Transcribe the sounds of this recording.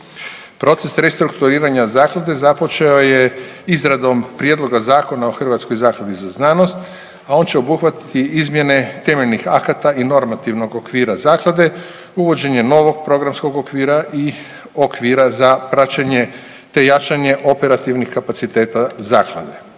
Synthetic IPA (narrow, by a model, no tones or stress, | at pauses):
pɾo̞t̪se̞sɾest̪ɾukt̪uɾiːɾaɲazaːklad̪e̞zapo̞t͡ʃe̞ojeizɾad̪o̞mpɾjed̪lˠo̞ɡazaːko̞nao̞xr̩ʋat̪sko̞jzaːklad̪izaznaːno̞st̪ | ao̞ːnt͡ɕe̞obuxʋat̪i̥t̪iʔizmje̞ne̞t̪e̞meʎnixakat̪aʔino̞ɾmat̪iʋno̞ɡokʋiːɾazaːklˠad̪e̞ | uʋo̞d͡ʑe̞ɲe̞no̞ʋo̞ɡ̚pɾo̞ɡɾamsko̞ɡokʋiːɾaʔi | okʋiːɾazapɾat͡ʃaɲe̞ | t̪e̞jat͡ʃaɲe̞ʔo̞peɾat̪iʋnixkapat̪sit̪e̞ːt̪azaːklˠa̰d̪e̞̰